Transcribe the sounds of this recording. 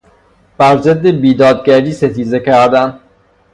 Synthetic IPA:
b̥æɾzed̪ːe̞biːd̪ɒːd̪̚ɟæɾiːset̪ʰiːzecʰæɾd̪æn

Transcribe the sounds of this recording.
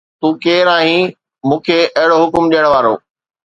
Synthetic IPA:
t̪ũːkeːɾaːɦĩ | mũːkʰeʔɐɦɪɽoɦʊkʊmɗijəɽ̃ʋaːɾo̰ː

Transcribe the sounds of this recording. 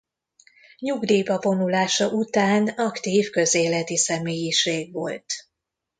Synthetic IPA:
ɲuɡd̪iːbɒvo̞nulaːʃɒʔut̪aːnɒkt̪iːfkø̞zeːlɛt̪isɛmeːjiʃeːɡʋo̞̰lt̪

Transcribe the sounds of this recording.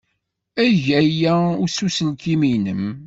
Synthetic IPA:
æʝæjæʊɾsusəlkiminəm

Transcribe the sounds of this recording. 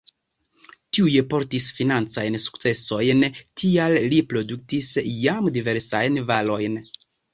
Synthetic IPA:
tiujepo̞ɾtisfinant͡sajnsu̥kt͡se̞so̞jntʰiallipɾo̞duk̚tisjamdive̞ɾsajnvalo̞jn

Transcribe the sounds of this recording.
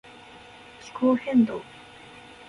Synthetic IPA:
kʲʰi̥kʰoːhẽnd̪o

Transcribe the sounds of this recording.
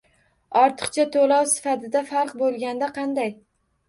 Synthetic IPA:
ɒɾt̪ʰɨ̥qt͡ʃʰat̪ʰolɒwsɪ̥fat̪ʰɪd̪afaɾqbolˠɡʲand̪aqʰɑnd̪aj

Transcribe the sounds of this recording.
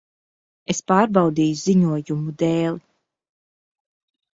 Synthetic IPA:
espaːɾbawd̪iːjuziɲuɔjumud̪eːlˠi

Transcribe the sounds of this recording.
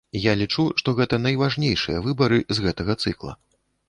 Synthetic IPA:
jalʲit͡ʂuʂt̪ɔɣɛt̪ɐnɐjvaʐnʲejʂɨjɐvɨbɐɾɨzɣɛt̪ɐɣɐt̪sɨklˠɐ̰

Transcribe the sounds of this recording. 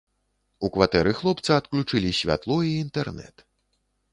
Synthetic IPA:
ukvat̪ɛɾɨxlˠɔpt̪sɐːt̪klʲut͡ʂɨlʲisʲvʲa̰t̪lˠɔiːnt̪ɛrnɛ̰t̪

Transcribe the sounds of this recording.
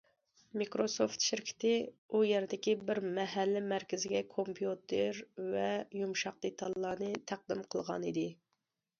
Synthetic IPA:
mikɾosoft̪ʃɪɾkʲʰɪ̥t̪ʰɪujɛɾd̪ɪkʲibɪɾmɛɦælːɪmæɾkʲɪzɪɡʲɛkʰompʰjut̪ʰeɾvɛjumʃɑq̚d̪et̪ʰɑlˠːɑːnɨt̪ʰæq̚d̪ɪmqʰəlˠʁɑ̰nid̪ɪ

